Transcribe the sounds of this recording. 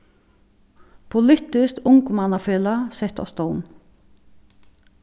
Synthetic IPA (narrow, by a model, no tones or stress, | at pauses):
pʰʊlʏt̪ɪskʊŋkmɑnɑfeːlɑsɛt̪ɔ̰st̪ɔwn